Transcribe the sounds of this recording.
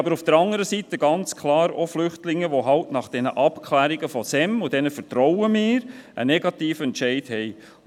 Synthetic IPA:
bəɾufd̥əɾɑŋəɾəsitəɡɑnt͡skʰlɑːɾoflʏχtlɪŋːəʋoɦɑltnɑχd̥ɛnə̰ʔɑpkʰlæːɾiɡəfɔsɛmʊd̥ɛnəfəɾtɾɔwəmɪːɾʔə̰nɛɡɑtiːfəɛntʃɛɪthɛɪ

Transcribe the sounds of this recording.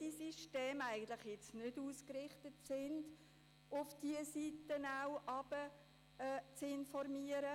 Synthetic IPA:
d̥isiʃteːmæɪɡən̩t̪lɪχjɪt͡snʏduːskrɪχtətsɪnd | ʊfd̥iəsitənaʊwʔɑb̥əː | t͡sɪnfɔrmiːəɾə

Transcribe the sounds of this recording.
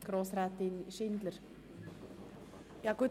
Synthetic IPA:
ɡ̥ɾoːsɾæt̪ɪnʃɪnd̪ləɾ | jɑːɡ̥u

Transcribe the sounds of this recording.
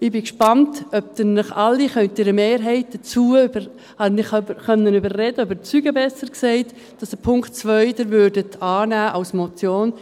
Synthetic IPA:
ɪbɪkʃpɑntœp̚tənːəχɑlːiχœtɪɾəmeːɾɦɛɪt̚d̥ət͡suːəybə | hɑnɪχbəχœnːənybərrɛdəøbət͡syːɡəbɛsəɾksɛɪt | d̥ɑsəpʰʊŋkt̚t͡svœʏdəɾvøːɾdətʰɑːnæːʔawsmɔt͡sjoːn

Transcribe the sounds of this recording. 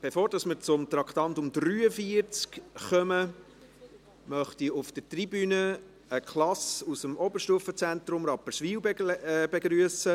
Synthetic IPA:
b̥efoːɾd̥ɑsməɾt͡sʊmt̪ɾɑkχt̪ɑnt̪ʊmd̪ɾyːəfiəɾt͡skχœmə | mœχt̪iʊft̪ətribynə | əkʰlɑsusəmɔbəɾʃtuəfət͡sænt̪ɾʊmɾɑpːəʃʋiːwbbeɡɾyəsə

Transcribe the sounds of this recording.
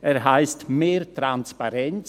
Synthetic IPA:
ɛɾɦaɪstmeːɾtʁanspaɾɛnt͡s

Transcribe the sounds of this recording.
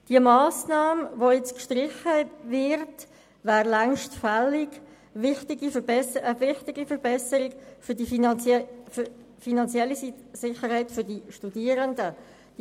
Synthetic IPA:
d̥iəmaːsnɑːmvojɛt͡skʃtrɪχəvɪrt | væːʁlɛŋʃtfɛlɪk | vɪχtɪɡifəbɛsəəvɪχtɪɡifəɾbɛsəɾɪkfʏdi | finɑnt͡sjɛlːisɪχəɾhaɪtfʏɾdiʃtudiəɾəndə | d̥

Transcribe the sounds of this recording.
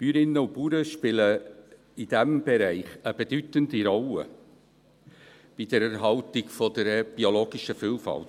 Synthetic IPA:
pyːɾɪnːəupuːɾəʃpɪlə | id̥ɛmb̥ɛɾæɪχəb̥edytəndiɾɔlə̰ | b̥idəɾɛɾɦɑltɪɡfɔdəɾb̥ioloːɡ̥iʃəfiːlfɑ̰lt

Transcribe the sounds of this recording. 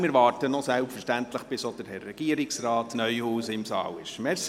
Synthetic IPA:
mɪɾʋɑːrtənɔsɛlpfəɾʃtænt̪ləχb̥ɪsɔd̪əɾhɛrːɛɡ̥iːəɾɪksrɑːtnœʏhuːsɪmsɑ̰ːwɪʃmɛs

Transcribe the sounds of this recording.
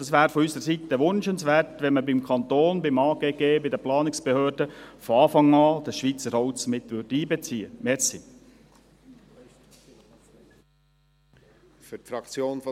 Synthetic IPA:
d̥ɑsʋæːɾfɔysəɾsit̪əʋʊnʃənsʋɛːɾtʋɛnməbɪmkʰɑnt̪oːnbɪmɑːɡeːɡ̥eːbɪd̪əplɑːnɪksb̥ehøːɾdəfɔɑːfɑŋɑːd̥̪ɑsʃʋiːt͡səɾhɔwt͡smɪt̪ʋʏɾd̥əiːbɛt͡siːəmɛɾsi | fytfɾɑkt͡sjoːnf

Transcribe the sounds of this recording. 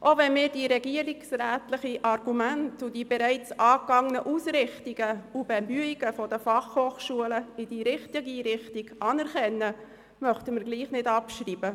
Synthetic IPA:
ʔovɛnmɪːɾdiːɾɛɡiəɾiksɾæːtlɪχiʔɑrɡ̥umæntʊdiːbɛɾæɪt͡sɑːkɑŋnəʔusɾɪχtiɡ̥əub̥ɛmyiɡ̥əfɔdəfɑχhoːχʃuələid̥iːɾɪχtiɡiɾɪχtiɡ̥ɑnɛɾχɛnːə | mœχtəməɾɡliːχnɪdɑpʃɾiːb̥ə

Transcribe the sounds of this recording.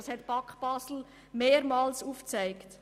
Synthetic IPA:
shɛtpɑkχb̥ɑsl̩ | meːɾmɑːlsuːft͡sæɪkt

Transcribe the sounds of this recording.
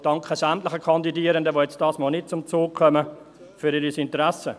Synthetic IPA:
d̥ɑŋkχəsæmtlɪχəkʰɑndidiəɾəndəʋojɛt͡std̥ɑːsmɔːlnɪt̚t͡sʊmt͡soːkkʰœmə | fyɾiɾisɪntəɾæsə

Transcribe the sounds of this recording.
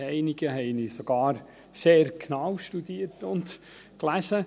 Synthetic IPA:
ɛɪniɡ̥əɦɛɪnisɔɡ̥ɑːɾ | seːɾkʰnɑwʃtud̪iːəɾtʊnt | klæsə

